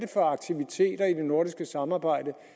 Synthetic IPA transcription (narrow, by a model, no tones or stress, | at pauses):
d̥əfɒ̽ɑ̈ɡ̥̚t͡sʰiʋit͡sʰe̝̰ːd̥ɐid̥e̝no̝ɐɾisɡ̥əsɑ̈mɑ̈ːb̥ɑ̈ɪ̰d̥ə